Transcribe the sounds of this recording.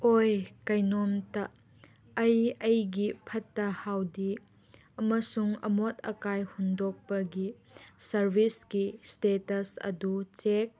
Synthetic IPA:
ʔojkɐjnɔmtɐ | ɐjɐjɡipʰɐtːɐhawdi | ɐmɐsuŋɐ̰mot̚ʰɐ̰kajhundɔk̚pɐɡi | sɐɾbiskistetɐsɐ̰dut͡ʃek̚

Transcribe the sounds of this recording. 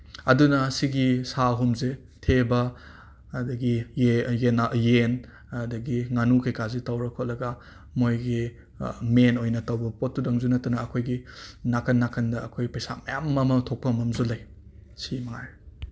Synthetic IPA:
ɐdunɐsiɡisaɦumze | tʰebɐ | dɐɡijenajen | dɐɡiŋanukʰɐjkazitɐwɾɐkʰot̚lɐɡɐ | mojɡi | menojnɐtɐwbɐpot̚ːudɐŋzunɐtɐnɐːkʰojɡinakʰɐnːakʰɐndɐɐkʰojpɐjsa̰mɐjammɐmɐtʰok̚pɐmɐmzulɐj | simɐŋaɾ

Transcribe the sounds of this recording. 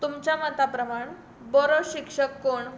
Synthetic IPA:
t̪umt͡ɕamət̪apɾəmaɳ | bɔɾoɕikʂəkːoɳ

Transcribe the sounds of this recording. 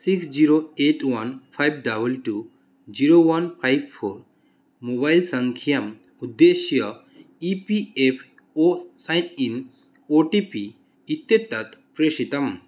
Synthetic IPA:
siksd͡ʒiɾoeʈwɐnpʰajb̚ɖɐbɐlʈu | d͡ʒiɾowɐnpʰajbpʰoɾ | mobajlsɐŋkʰijɐm | ud̪ːeʃjɐ | ipiepʰ | osajnin | oʈipi | it̪ːjet̪ːɐt̪pɾeʃit̪ɐm

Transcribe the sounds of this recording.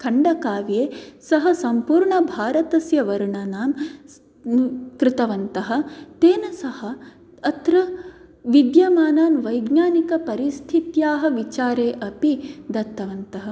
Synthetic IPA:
kʰɐɳɖɐkaːʋjeːsɐɦɐsɐmpuːɾɳɐbʱaːɾɐt̪ɐsjɐʋɐɾuɳaːnaːm | kɾɪt̪ɐʋɐnt̪ɐɦɐ̆t̪eːnɐsɐhɐ̆ | ɐt̪ɾɐʋid̪jɐmaːnaːnʋɐjɡɲaːnikɐpɐɾist̪ʰit̪jaːɦɐ̆ʋit͡ʃaːɾeːʔɐpid̪ɐt̪ːɐʋɐnt̪ɐɦɐ̆

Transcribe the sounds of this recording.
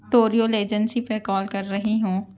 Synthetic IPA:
ʈoːɾioːleːd͡ʒənsipɐkɔːlkɐɾːɐɦiɦũː

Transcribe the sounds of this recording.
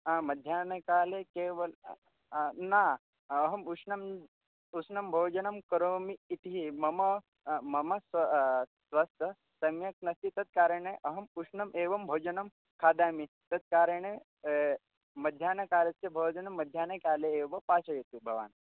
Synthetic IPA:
amɐd̪ʱjaːnɐkaːlekeʋɐl | naː | ɦɐmuʂnɐm | usnɐmbʱowd͡ʒɐnɐmkɐɾomiːʈ̪iɦimɐmɐ | mɐmɐs | sʋast̪ɐ | sɐmjɐk̚nɐst̪it̪ɐt̪̚kaːɾəɳeʔɐɦɐmuʂnɐmʔeːʋɐmbʱoːd͡ʒɐnɐm | kʰaːd̪aːmi | t̪ɐt̪̚kaːɾəɳe | mɐd̪ʱjaːnɐkaːlɐt͡sebʱowd͡ʒɐnɐmːɐd̪ʱjaːnekaːleːʋɐpaːsɐjet̪ubʱɐʋa̰ːn

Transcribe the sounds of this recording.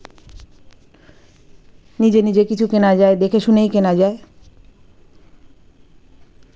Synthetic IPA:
nid͡ʑenid͡ʑekit͡ɕʰukenad͡ʑaed̪ekʰeʃunejkenad͡ʑae

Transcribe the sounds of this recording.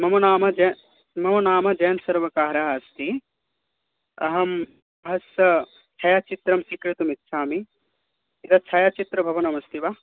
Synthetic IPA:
mɐmɐnaːmɐd͡ʒɐ | mɐmɐnaːmɐd͡ʒɐjɐnsɐɾʋɐkaːɾaːɐst̪i | ɐ̰ɦɐm | ɐɦɐsɐ | t͡ʃʰɐjaːt͡ʃit̪ɾɐmsikɾit̪umitːʃʰaːmi | it̪ɐt͡ʃʰɐjat͡ʃit̪ɾɐbʱɐʋɐnɐmɐst̪ʰiʋa

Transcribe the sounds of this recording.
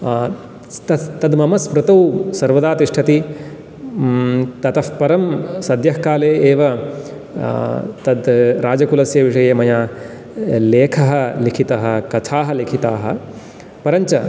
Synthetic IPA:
t̪ɐt̪ɐd̪mɐmɐspɾɐt̪ɐwsɐɾʋɐd̪aːt̪iʂʈʰɐt̪i | t̪ɐt̪ɐfpɐɾɐmsɐd̪jɐɦkaːleːeːʋɐ | t̪ɐd̪ɾaːd͡ʒɐkulɐsjɐʋiʂɐjɐmɐjaː | leːkʰɐɦɐlikʰit̪ɐɦɐkɐt̪ʰaːɦɐlikʰit̪aːɦɐ̰ | pɐɾɐɲt͡ʃɐ

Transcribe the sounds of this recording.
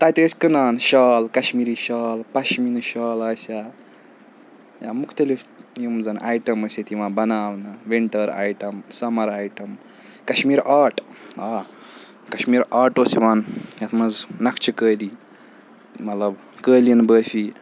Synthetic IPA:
t̪aːt̪eːsʲkɨnaːnʃaːlkɐʃmiːɾiːʃaːlpɐʃminɨʃaːlaːsa | jaːmukʰt̪ɐlifjimzɐnʔaːjʈɐmɐsʲet̪iʋãːnbɐnaːʋnɐʋiɳʈɐɾa̰ːjʈɐmsɐmɐɾaːjʈɐm | kɐʃmiːɾaːʈaː | kɐʃmiːɾaːʈoːsiʋaːnjɐt̪ʰmɐznɐkʰt͡ʃʰikəːliː | mɐt̪lɐb | kəːlinbəːfʲi

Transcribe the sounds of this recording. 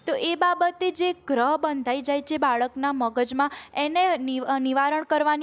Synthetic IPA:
t̪oʔebabət̪ed͡ʒeɡɾəɦbənd̪ʱaid͡ʒajt͡ʃʰebaɭəknaməɡəd͡ʒmãenenniʋaɾəɳkəɾʋan

